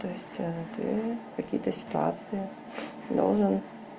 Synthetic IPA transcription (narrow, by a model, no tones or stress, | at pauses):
t̪ojɪsʲtʲt̪ɪ̰kɐkʲḭjət̪əsʲɪ̥t̪ua̰t̪sɨji | d̪o̰wˠʐɨn